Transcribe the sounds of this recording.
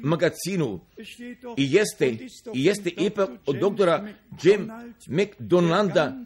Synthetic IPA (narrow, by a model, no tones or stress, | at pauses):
maɡat̪siːnu | ijest̪eijest̪eʔipakod̪ːok̚t̪oɾad͡ʒemmekd̪onand̪a